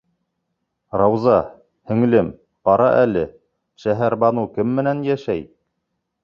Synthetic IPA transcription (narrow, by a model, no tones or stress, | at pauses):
ɾɑwzɑ | hɵ̆ŋlɘm | qɑɾɑ̰ʔælɘ | ʃæɦæɾbɑnukɘmːɘ̆nænjæʃæj